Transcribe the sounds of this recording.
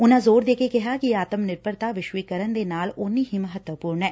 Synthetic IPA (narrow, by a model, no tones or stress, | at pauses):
ʊnãzoːɾd̪eːkekɪɦakiaːt̪əmnɪɾpəɾt̪aʋɪʃwikəɾənd̪enaːlʊːniɦimɐɦət̪wəpuːɾɳɦɛː